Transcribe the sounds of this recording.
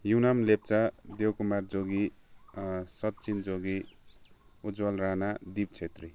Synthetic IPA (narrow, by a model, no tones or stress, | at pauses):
junamlep̚t͡sad̪ewkumard͡zoɡi | sʌt̪t͡sind͡zoɡi | ud͡zwʌlranad̪ib̚t͡sʰet̪ri